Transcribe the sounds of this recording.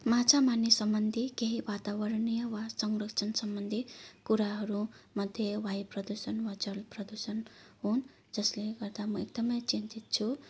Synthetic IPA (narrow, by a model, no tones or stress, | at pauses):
mat͡sʰamanːesʌmbʌnd̪ʱikeɦiwat̪abʌɾnijʌwasʌŋrʌkt͡sʰʌnsʌmbʌnd̪ʱikuɾaɦʌɾumʌd̪ʱjewajprʌd̪usʌnwad͡zʌlprʌd̪usʌnɦun | d͡zʌsleɡʌrd̪amʌek̚d̪ʌmʌjt͡sint̪it̪̚t͡sʰu